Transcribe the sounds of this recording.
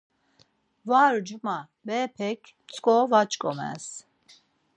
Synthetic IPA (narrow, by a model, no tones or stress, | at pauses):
vaːɾud͡ʒuma | bɛːpʰɛkʰ | t͡sʼkʼɔvat͡ʃʼkʼɔ̰mɛ̰s